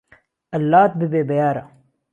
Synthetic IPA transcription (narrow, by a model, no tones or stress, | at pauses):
ʔɐlːaːt̪̚bɪbeːbɐjaːɾa̰